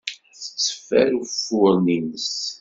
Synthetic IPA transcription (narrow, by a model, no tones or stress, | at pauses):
θə̥sːə̥fːæɾufʊɾˤninəs